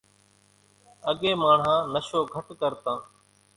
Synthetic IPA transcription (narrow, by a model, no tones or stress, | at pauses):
əɠeːmaːɳ̤ɦãːnəʃoːɡʱəʈkəɾt̪ãː